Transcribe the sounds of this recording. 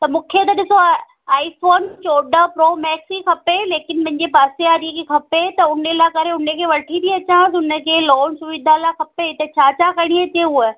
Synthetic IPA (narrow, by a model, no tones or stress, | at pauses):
t̪ɐmũːkʰet̪̬ɐɗɪso | aːifoːnt͡ɕoːɖəpɾoːmɛːksixʰɐpeleːkɪnmɐ̃ɦɪ̃ɲd͡ʑepaːseaːɾikekʰɐpet̪ɐʊnelakɐɾeʊnəkʰeːʋɐʈʰit̪ʰiɐt͡ɕãːsʊnə̆kʰeloːnsʊʋɪd̪ʱalaːkɐpeɪt̪et͡ɕaːt͡ɕakɐɽ̃iet̪euə